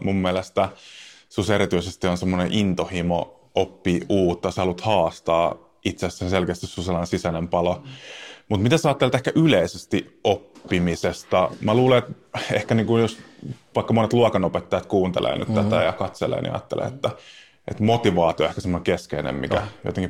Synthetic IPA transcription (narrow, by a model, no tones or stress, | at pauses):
mumːiælest̪æsuseɾit̪yisest̪ionsemːoneʔint̪ohimo | ʔopːiuːt̪ːɑsehɑlut̪hɑːst̪ɑː | it̪sessenselkeːst̪issuselɑnesisænempɑlo | mut̪mit̪æseɑːt̪ːelet̪ehkæʔyleisest̪iopːimisest̪ɑmæluːleet̪ | ehkæniːŋkujosʋɑikːɑmonet̪luɑkɑnopet̪ːɑjɑt̪kuːnt̪ḛlʔḛːny̰t̪t̪æt̪æjɑkɑt̪sḛlḛːnḭɑ̰ːt̪ːḛlḛːḛt̪ːæ | ʔḛt̪mot̪iʋɑːt̪ioehkæsemːŏneŋkeskeinḛmmḭkæjo̰t̪eŋki